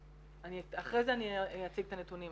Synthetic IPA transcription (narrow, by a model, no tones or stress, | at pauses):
aniaχʁejzeanijat͡siɡt̪anet̪unim